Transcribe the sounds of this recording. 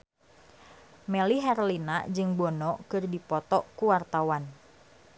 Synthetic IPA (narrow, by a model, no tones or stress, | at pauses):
mɛliɦɛrlina̰d͡ʒɨŋbɔnɔkɨrdipɔt̪ɔkuwart̪awan